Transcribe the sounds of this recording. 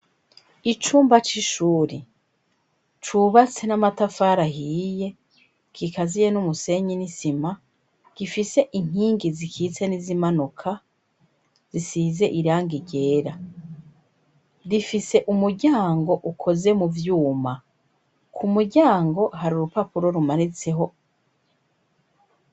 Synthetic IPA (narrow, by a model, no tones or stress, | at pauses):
it͡ʃuːmbat͡ʃiʃuːɾi | t͡ʃuβat͡se̞namatafaːɾaɦiːje̞ | kʰikazijenumuse̞ɲinisima | ɡ̥ifise̞ʔiŋ̥hiːŋɡizikʰit͡se̞nizimanukʰa | z̥isize̞ʔiɾaːŋɡiɟe̞ːɾa | ɾifise̞ʔumuɾɟaːŋɡo̞ʔukʰo̞ze̞muvjuːma | kʰumuɟaːŋɡo̞haɾuɾupapuɾo̞ɾumanit͡se̞ɦo̞